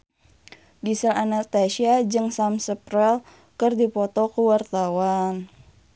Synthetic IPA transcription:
disəlanast̪aʃiad͡ʒɨŋsamsəpɾɛl | kərdipɔt̪ɔkəwart̪awan

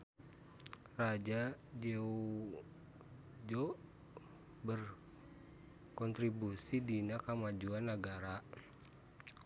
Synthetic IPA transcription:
rad͡ʒad͡ʒeu | d͡ʒɔʔ | bər | kɔnt̪ɾibusidinakamad͡ʒuanːaɡaɾa

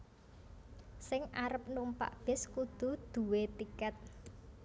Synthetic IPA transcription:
sɪŋʔaɾəp̚numpa̰ʔb̥ɪ̤skud̪̥ṳd̪̥ṳwet̪ikɛt̪̚

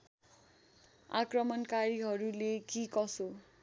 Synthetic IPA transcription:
a̰krʌmʌnkaɾiɦʌɾulekikʌso

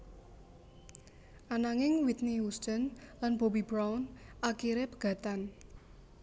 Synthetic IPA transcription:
ʔanaŋɪŋwit̪̚niwust͡ʃənlanb̥obibɾawnʔakiɾepəɡ̥ä̤t̪an

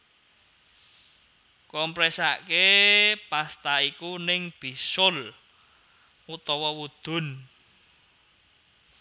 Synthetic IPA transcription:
kɔmpɾɛsaʔkepast̪aikunɪŋb̥i̤sʊl | ut̪ɔwɔwud̪̥ʊ̤n

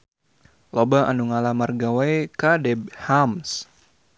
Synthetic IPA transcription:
lobaʔa̰nuŋalamarɡawajkadɛb̚hams

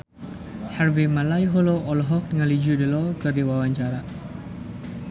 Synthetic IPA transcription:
harvimalajɦɔloʔɔlɦɔk̚ŋalid͡ʒudilɔkərdiwawaɲt͡ʃaɾa

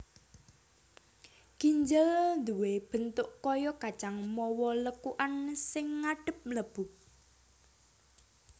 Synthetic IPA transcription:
ɡ̥iɲd͡ʒəld̪uweb̥ə̤nt̪ʊʔkɔjɔkḁʒ̥aŋmɔwɔləkuʔansɪŋːaɖ̥ə̤p̚ləb̥u

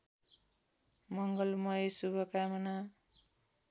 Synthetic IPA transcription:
mʌŋɡʌlmʌjsubʱʌkamʌna

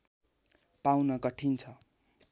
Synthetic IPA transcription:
pawnʌkʌʈʰint͡sʰʌ

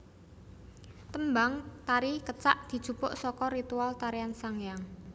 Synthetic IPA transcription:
t̪əmbaŋt̪aɾikət͡ʃa̰ʔd̪̥i̤d̥ʒ̥ṳpʊʔsɔkɔɾit̪ualt̪aɾiansaŋjaŋ

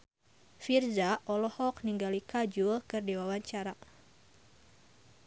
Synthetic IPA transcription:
firzaɔlɔhɔk̚niŋɡalikad͡ʒulkɨrdiwawaɲt͡ʃaɾa

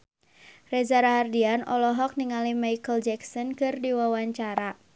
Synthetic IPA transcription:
rɛzaɾaɦardianɔ̰lɔɦɔk̚niŋalimajkəld͡ʒɛksɔnkɨrdiwawaɲt͡ʃaɾa

